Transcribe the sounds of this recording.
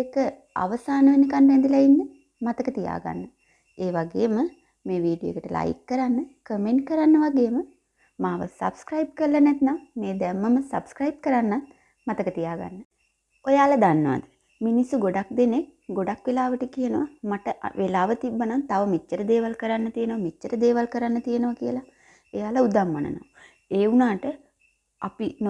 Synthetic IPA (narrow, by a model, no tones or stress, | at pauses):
kə | a̰ʋəsaːnəʋenikanɾɛnd̪ilainːə | mat̪əkət̪ija̰ːɡa̰nːə | eːʋaɡeːmə | meːʋiːɖijo̰kəʈəlʔa̰jkːəɾanːəkəmeɳʈ̚kəɾanːəʋaɡeːmə | maːʋə̰sɐ̰bskɾaib̚kəllːɐnɛt̪nammeːd̪ɛmːəməsɐ̰bskɾɐjib̚kəɾanːat̪̚ | mat̪əkət̪ijaːɡa̰nːə | ojaːlɐd̪anːəʋa̰d̪ə | minisːuɡoɖak̚d̪enek̚ | ɡoɖakʋelaːʋəʈəkijənəʋamaʈəʋʔelaːʋət̪ibːənant̪aʋəmit͡ʃːəɾəd̪eːʋalkəɾanːət̪ijənəʋamit͡ʃːəɾəd̪eːʋalkəɾanːət̪ijənəʋakijəla | ejaːləud̪amːa̰nə̰na̰m | eːunaːʈə | apin